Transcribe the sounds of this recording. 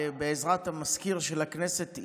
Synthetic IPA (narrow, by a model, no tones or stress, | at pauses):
beezʁat̪hamaskiʁʃelaknese̞t̪